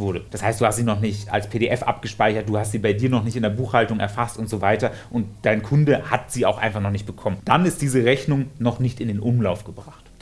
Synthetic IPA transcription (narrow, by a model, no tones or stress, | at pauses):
vʊɐɾəd̥ashaɪstd̥uːhastz̥iːnɔχnɪçta̰lspʰeːɾeʔɛfʔa̰pɡ̥əʃpaɪçɐt̚d̥uːhastz̥iːbaɪdiːɐnɔχnɪçtɪndeɐbuːxhaltʊŋɛ̰ɐfastʊntz̥oːvaɪtɐʔʊntd̥aɪnkʰʊndəhatz̥iːaʊxʔa̰ɪnfaχnɔχnɪçt̚b̥əkʰɔmənd̥anɪst̚d̥iːzəʁɛçnʊŋnɔχnɪçtɪndeːnʔʊmlaʊfɡ̥əbʁaχt